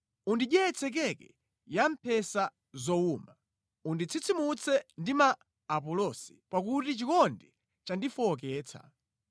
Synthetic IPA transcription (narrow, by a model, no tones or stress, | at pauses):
undiɗjɛɛt͡sʰɛk̬ɛkɛ | jam̩pʰɛsa | zɔuma | undit͡sʰit͡sʰimut͡sʰɛndimaː | pɔlɔsi̥pak̬utit͡ʃikɔndɛ | t͡ʃandifɔːk̬ɛːt͡sʰa̰